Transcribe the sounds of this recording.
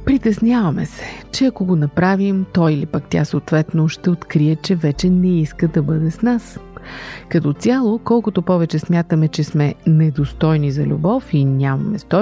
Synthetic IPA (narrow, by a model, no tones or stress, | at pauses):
pɾit̪ɛsnʲjavɐmɛ̰sɛ̥t͡ʃɛɐkoɡonɐpɾavimt̪ɔjilipakt̪ʲja̰soːt̪vɛt̪noʃt̪ɛot̪kɾiət͡ʃɛvɛt͡ʃɛnɛiskəd̪ɐbɤd̪ɛsnas | kɐt̪ɔt̪sʲjalˠokɔlˠkʊt̪opɔvɛt͡ʃɛsmʲjat̪əmɛt͡ʃɛsmɛnɛd̪ost̪ɔjnizɐlʲṵbɔfinʲamɐmɛst̪ɔ